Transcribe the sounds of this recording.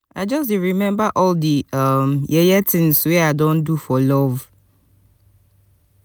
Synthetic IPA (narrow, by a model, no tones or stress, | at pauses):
ad͡ʒɔs̬iɹimɛ̃mbaʔɔldiamjɛjɛtʰɪ̃ŋsweadɔ̃ndufɔlɔv